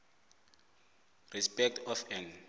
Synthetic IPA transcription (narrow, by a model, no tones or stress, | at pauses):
rispɛk̚tʰɔfɛ̃n